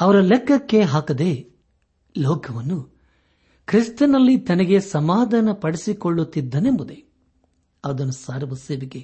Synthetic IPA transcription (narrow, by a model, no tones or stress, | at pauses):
ɐʋɐɾɐlekːɐkːe̞ɦaːkɐd̪e | lɔːkʰɐʋɐnːu | kɾist̪ɐnɐlːit̪ɐnɐɡe̞sɐmaːd̪ʱaːnɐpɐɽisikoɭːut̪ːid̪ːɐnembud̪e | ɐʋɐd̪ɐnːusaːɾuʋɐseːʋiɡe